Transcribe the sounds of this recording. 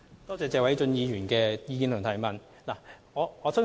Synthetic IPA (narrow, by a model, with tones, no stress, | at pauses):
t̪ɔː˥t͡sɛː˧t͡sɛː˨˧wɐ˨˥jt͡ʃɵ˧njiː˨˧jyː˨˩nkɛː˧jiː˧kiː˧nt̪ʰʊ˨˩ŋt̪ʰɐ˨˩jmɐ˨˩n | laː˨˩ŋɔː˨˧ɔː˨˧sʰɐ˥